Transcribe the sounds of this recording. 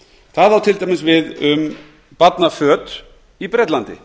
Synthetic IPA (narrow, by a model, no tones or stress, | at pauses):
θaðawt̪ʰɪlt̪ajmɪnsvɪðʏm | pat̪nafœːt̪ɾ | ipɾɛt̪lant̪ɪ̰